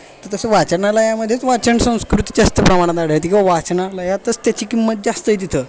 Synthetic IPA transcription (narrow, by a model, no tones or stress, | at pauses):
t̪əɾt̪əseʋat͡ɕəɾnaləjaməd̪ʱːjet͡sʋat͡ɕəɳsə̃w̃skɾut̪i̥d͡zast̪əpɾəmaɽ̃at̪aɽ̤əɦət̪kĩʋaʋat͡snaləjat̪əst̪jat͡ɕiːkimːət̪̚d͡zast̪əit̪it̪ʰə